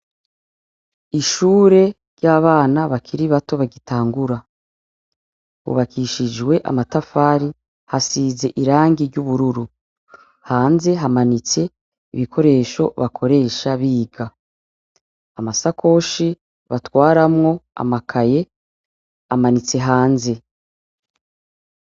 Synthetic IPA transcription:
iʃuːɾe̞ | ɾɟaːβaːnaβakʰiɾiβato̞βaɡitaːŋɡuɾa | βṵβakiʃid͡ʒwe̞ʔa̰matafaːɾi | hasiːze̞ʔiɾaːŋɡiɾɟuβuɾuɾu | haːnze̞ɦamanit͡se̞ | iβikʰo̞ɾe̞ːʃo̞βakʰo̞ɾe̞ːʃaβiːɡa | masakʰo̞ʃi | βatwaːɾamŋo̞a̰makʰaje̞ | amanit͡se̞ɦaːnze̞

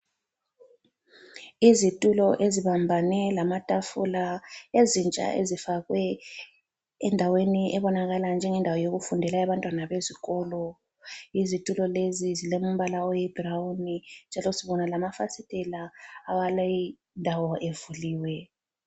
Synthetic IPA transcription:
izitʼulɔʔeziβambʱanɛlamatʼafṵlaezint͡ʃʼa̰ʔḛzifaɣwɛ | ɛndʱaweniʔɛβɔnaɣaland͡ʒʱɛŋɛndʱawɔjoɣufundʱɛlaɛβantʼwanaβeziɣɔːlɔ | izitʼulɔlezizilemum̩βalaɔjɛb̥rawunind͡ʒʱalɔsiβɔnalamafasitʼɛlaːwalai | ndʱawɔʔevuliːwɛ

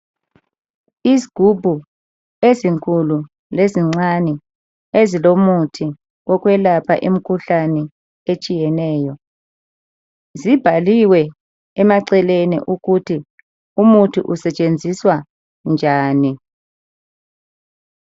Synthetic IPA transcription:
iziɡ̥ʱubʱu | eziŋkʼulu | leziŋ͡ǀanɛ | ezilomutʰi | ɔk̬ʼwɛlapʰa̰ʔim̩kʰuɬanɛ | et͡ʃʼijɛnɛːjɔ | zib̥ʱaliwɛː | maǀɛlenḭʔuɣutʰi | umutʰiʔusɛt͡ʃʼend͡zʱiswa | nd͡ʒʱaːni

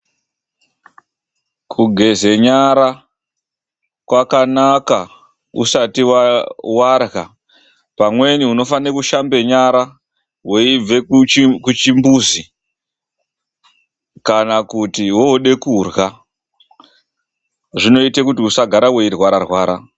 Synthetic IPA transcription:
kʰuɡʱe̞ze̞ɲaɾa | kwakanaka | ṵsatiwawarɣa | pamwe̞niuno̞fanikuʃambe̞ɲaɾa | we̞ib͡ve̞kut͡ʃimbuːzi | kanakutiwo̞ɗe̞kurɣa | ʐino̞itekutiusaɡʱaɾawe̞irwaɾarwaːɾa

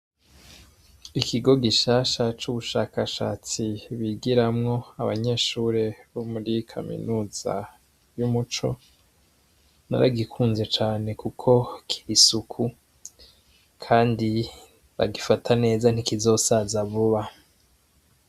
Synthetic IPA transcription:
ikʰiɡo̞ɡiʃaːʃat͡ʃuβuʃaːkaʃa̰ːt͡siβiɡiɾamŋo̞aβaɲe̞ːʃuːɾe̞βomuɾikʰa̰mḭnuːz̥a̰ | jumut͡ʃo̞̰ | na̰ɾa̰ɡikʰuːnze̞t͡ʃaːne̞kukʰo̞kʰi̥ɾisukʰu | kʰaːndi | βa̰ɡifatʰane̞ːzan̥ikizo̞ːsazaβuβa

